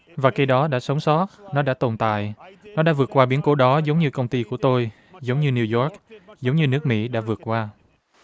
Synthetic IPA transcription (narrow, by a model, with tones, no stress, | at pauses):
vaː˨˩ka˧jɗɔ˨˦ɗa̰ː˧˥sə˨˦wŋ͡msɔ˦˥t̚nɔ˨˦ɗa̰ː˧˥t̪o˨˩nt̪a̰ː˧˨jnɔ˨˦ɗaː˧˥vɨ˨˩ət̚kwaː˧ɓi˨˦ənko˧˨˦ɗɔ˨˦zə˨˦wŋ͡mɲɨ˧kə˧wŋ͡mt̪i˧ku˧˩ət̪o˧j | zə˨˦wŋ͡mɲɨ˧ni˧wzɔ˦˥k̚zə˨˦wŋ͡mɲɨ˧nɨ˦˥ək̚mḭ˧˥ɗa̰ː˧˥vɨ˨˩ət̚kwaː˧